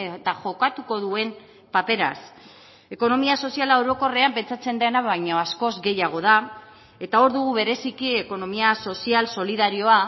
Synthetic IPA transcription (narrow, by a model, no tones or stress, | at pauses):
et̪aʝo̞kat̪uko̞ðue̞m | pape̞ɾa̰s | e̞ko̞no̞miaso̞sialaewɾo̞ko̞reampe̞nt͡sat͡se̞nd̪enaβajɲoasko̞zɡe̞jaɣ̞o̞ð̞a | e̞t̪ao̞ɾðuɣuβe̞ɾe̞sikie̞ko̞no̞miaso̞sialso̞liðaɾio̞a